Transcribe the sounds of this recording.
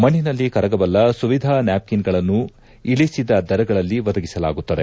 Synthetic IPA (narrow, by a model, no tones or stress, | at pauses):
mɐɳːinɐlːikɐɾɐɡɐbɐlːɐsuʋid̪ʱaːnaːp̚kinɡɐɭɐnːu | iɭisid̪ɐd̪ɐɾɐɡɐɭɐlːiʋɐd̪ɐɡisɐla̰ːɡut̪ːɐd̪e